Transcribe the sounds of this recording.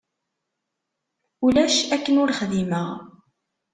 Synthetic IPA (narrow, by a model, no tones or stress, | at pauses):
ʊlæʃækːənʊɾχðiməʁ